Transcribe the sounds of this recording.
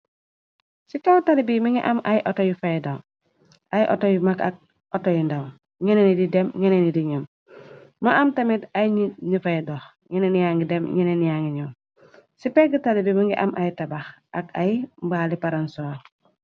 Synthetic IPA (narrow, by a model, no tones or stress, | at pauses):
sikawtalibimiŋɡiʔamʔajʔotojifajdaw | ʔajʔo̰tojimakak̚ | otojindaw | ŋenenididemŋenenidiɲum | maʔamtamidajɲinifajdox | ŋenenijaŋɡidemɲenenijaŋɡiɲow | sipeɡitalibimiŋɡiʔa̰mʔajtabaxaka̰jimbaːlipaɾansoa